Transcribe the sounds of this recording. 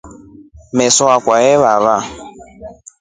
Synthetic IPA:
mesʊakʷaeβaɾa

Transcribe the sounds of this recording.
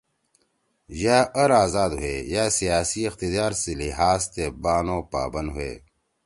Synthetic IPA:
jaːɐɾaːzaːd̪ɦuḛːjaːsijaːsiixt̪id̪aːɾsiliɦaːzt̪ebaːnõːpa̰ːbɐnd̪ɦuḛː

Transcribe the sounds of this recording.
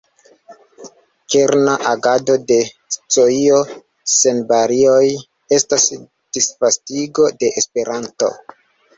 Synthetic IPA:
keɾnaʔaɡado̞de̞ | st͡soio̞ | se̞nbaɾio̞j | e̞stas | d̥isfastiɡo̞de̞ʔespe̞ɾanto̞̰

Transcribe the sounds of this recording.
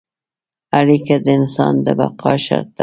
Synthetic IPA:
aɾikad̪əɪnsɑnd̪əbaqʰɑʃa̰ɾt̪̚a

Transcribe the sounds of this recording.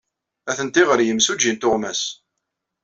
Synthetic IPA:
æθənt̪ɪʁəɾjəmsud͡ʒint̪ʊʁmæs

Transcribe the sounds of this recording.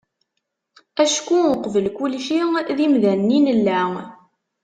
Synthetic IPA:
æʃkːuʊqvəlkulʃiðimðænːinəlːæ

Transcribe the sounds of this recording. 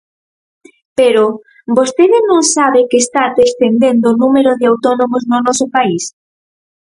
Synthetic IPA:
peɾo | bost̪eðɪnõŋsaβɪkeːst̪at̪est̪end̪end̪oːnumeɾoðɪawt̪ɔnomoznʊnɔsʊpais

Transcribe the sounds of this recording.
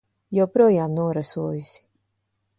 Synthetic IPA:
jawpɾuɔjaːmnuɔɾasuɔjusi̥

